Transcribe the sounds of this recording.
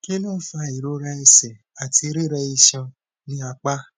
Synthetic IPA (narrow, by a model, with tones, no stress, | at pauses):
ke˦nãː˦˨˦fa˧i˨ɾo˨˦ɾa˧ɛ˧sɛ˨ | a˨ti˧ɾi˦˨ɾɛ˧i˧ʃã˧ | nĩ˦a˧k͡pa˦